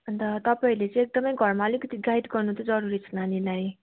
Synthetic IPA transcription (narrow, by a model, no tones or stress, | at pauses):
ʌnt̪ʌt̪ʌpaĩlet͡sʌ̃ek̚d̪ʌmʌjɡʱʌrmaʌlikʌt̪iɡajɖɡʌrnut̪od͡zʌɾuɾit͡sʰʌnanilaj